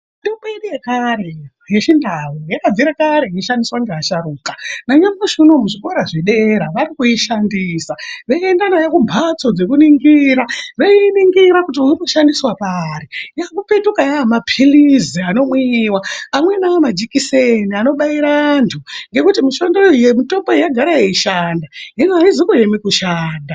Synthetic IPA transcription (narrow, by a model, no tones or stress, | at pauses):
ndipeɗijekaɾe̞ | jeʃindawujakad͡ziɾakaɾeiiʃandiswaŋɡeaʃaɾuːkanaɲamaʐino̞muʐiko̞ɾaʐiɗe̞ɾaʋaɾikuiʃandiːsaʋekendanajakumbʱat͡so̞d͡zekuniŋɡiɾaʋeiniŋɡiɾakut̬iuinoʃandiswapaɾijakupe̞tukajaːmapʰiliziano̞mwiːwaːmwe̞namad͡ʒikiseniano̞ɓaiɾaːntʰuŋɡe̞kutimiʃo̞ndojemito̞boijaɡʱaɾajeiʃaːndaɦenaizikujemikuʃaːnda